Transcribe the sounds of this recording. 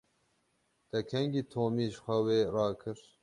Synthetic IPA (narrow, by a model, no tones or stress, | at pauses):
d̪̥ɛkʰɛŋɡiːt̪ʰoːmiːʒxʷɛweːrɑːkʰɨɾ